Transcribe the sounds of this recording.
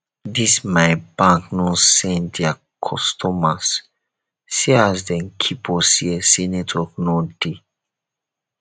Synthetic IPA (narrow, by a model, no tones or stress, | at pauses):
dismaɪbãŋknɔsɛ̃ntdɛa | kʰɔstʰɔmas | siazdɛ̃nkʰipʰɔsiɛsinetʰɔk̚node